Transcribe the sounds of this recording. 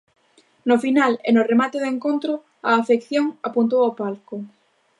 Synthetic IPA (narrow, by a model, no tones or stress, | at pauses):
nʊfinalḛnoremat̪eðeŋkont̪ɾʊ | aːfekθjoŋapunt̪owapalkʊ